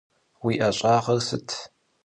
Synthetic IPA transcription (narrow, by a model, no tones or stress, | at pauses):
wiːʔɐɕʼaːʁɐrsɨtʰ